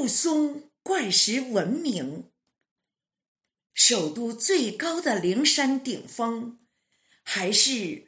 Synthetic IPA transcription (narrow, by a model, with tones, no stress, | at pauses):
sʊ˥ŋ | kwa˥˩nʂɻ̩˧˥wə˧˥nmi˧˥ŋ | ʂo˨˩ʊt̪u˥˧t͡swe˥˩ɪkɑ˥ʊd̪ə˨li˧˥ŋʂa˥nt̪i˨˩ŋfɤ˥ŋ | xa˧˥ɪʂɻ̩˥˩